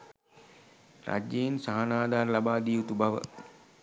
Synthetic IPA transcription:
ɾa̰d͡ʒeinsaɦanaːd̪aːɾəlabaːd̪iːut̪ubaʋə̰

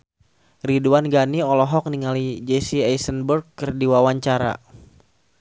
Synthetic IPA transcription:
riduanɡaniɔlɔɦɔk̚niŋalid͡ʒɛsiajsənbərɡ̚kɨrdiwawaɲt͡ʃaɾa̰

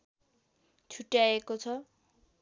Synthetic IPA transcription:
t͡sʰuʈjaekot͡sʰʌ

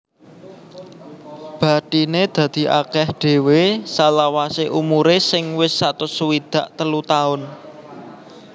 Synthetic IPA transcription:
b̥ä̤t̪ined̪̥ä̤d̪̥i̤ʔa̰kɛhɖ̪̥e̤wesalawaseʔumuɾesɪŋwɪsːat̪ʊsuwid̪̥a̤ʔt̪əlut̪aʊn

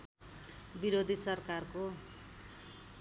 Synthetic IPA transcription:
biɾod̪ʱisʌrkarko

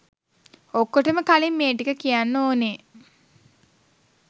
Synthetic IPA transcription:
okːoʈəməkalimːeːʈikəkijanːoːne

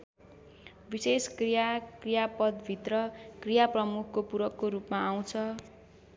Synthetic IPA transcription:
biseskrijakrijapʌd̪bʱit̪rʌkrijaprʌmukʰkopuɾʌkːoɾupmaaw̃t͡sʰʌ

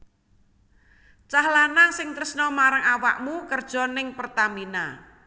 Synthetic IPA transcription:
t͡ʃahlanasɪŋt̪ɾəsnɔmaɾaŋawa̰ʔmukərd̥ʒ̥ɔ̤nɪŋpərt̪amina

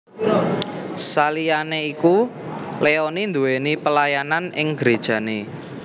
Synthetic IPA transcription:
salijaneiku | leɔnind̪uwenipəlajananɪŋɡ̥ɾed̥ʒ̥ä̤ne

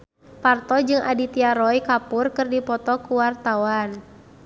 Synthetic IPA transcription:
part̪ɔd͡ʒɨŋʔa̰dit̪iaɾɔjkapʊrkɨrdipɔt̪ɔkuwart̪awan

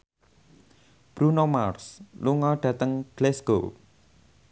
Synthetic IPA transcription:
b̥ɾunomarsluŋɔɖ̥ä̤t̪əŋɡ̥lɛsɡ̥o

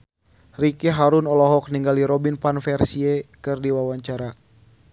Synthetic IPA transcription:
rikɛɦaɾunɔlɔɦɔk̚niŋɡaliɾɔbinpanfɛrsiɛkɨrdiwawaɲt͡ʃaɾa

